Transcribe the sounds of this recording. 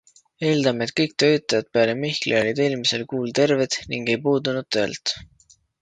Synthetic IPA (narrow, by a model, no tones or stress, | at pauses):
e̞ːld̪ɑme̞t̪̚kɤjk̚t̪øjt̪ːˑɑjɑd̪̚peɑlemihklʔḭolʲid̪e̞ːlmise̞lkuːlt̪e̞rved̪̥niŋɡ̥e̞jpuːd̪unud̪̥̚t̪ø̞̰ːlt̪